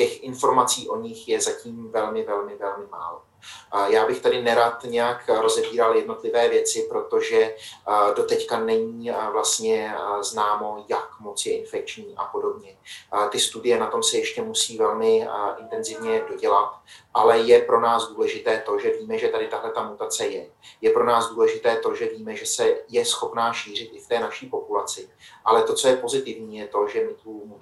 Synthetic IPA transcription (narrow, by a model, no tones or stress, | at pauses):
cɛxʔɪnfo̞ɾmat͡siːʔo̞ɲɪxjɛzaciːmvɛlmɪvɛlmɪvɛlmɪma̰ːlo | jaːbɪxt̪adɪnɛɾat̪ɲɛjakɾo̞zɛbiːɾaljɛdno̞t̪lɪvɛːvjɛt͡sɪpɾo̞t̪o̞ʒɛ | do̞t̪ɛckanɛɲiːvlast̪ɲɛznaːmo̞jakmo̞t͡sjɛʔɪnfɛk̚t͡ʃɲiːʔa̰po̞do̞bɲɛt̪ɪst̪udɪjɛnat̪o̞msɛjɛʃcɛmusiːvɛlmɪʔɪnt̪ɛnzɪvɲɛdo̞ɟɛlat̪ʔalɛjɛpɾo̞naːsduːlɛʒɪt̪ɛːt̪o̞ʒɛviːmɛʒɛt̪adɪt̪aɦlɛt̪amut̪at͡sɛjɛjɛpɾo̞naːzduːlɛʒɪt̪ɛːt̪o̞ʒɛviːmɛʒɛsɛjɛsxo̞pnaːʃiːr̝ɪt̪ʔɪft̪ɛːnaʃiːpo̞pulat͡sɪʔalɛt̪o̞t͡so̞jɛpo̞zɪt̪ɪvɲiːjɛt̪o̞ʒɛmɪt̪um